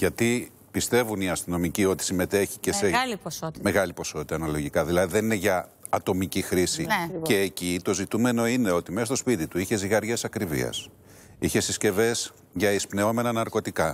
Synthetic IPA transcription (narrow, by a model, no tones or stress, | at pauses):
ʝɐt̪i | pist̪e̞vuniɐst̪ino̞micio̞t̪i̥sime̞t̪e̞çice̞seliosotme̞ɣɐlipo̞so̞t̪it̪ɐnɐlo̞ʝikɐðilɐðiðenine̞ʝɐː | t̪o̞micixɾisice̞ːcit̪o̞zit̪ume̞no̞ine̞o̞t̪imesɐstospit̪it̪uiçe̞ziɣɐɾʝe̞sɐkɾivḭɐ̰s | içe̞sisce̞ve̞s | ʝɐispne̞o̞me̞nɐnɐɾko̞t̪ikɐ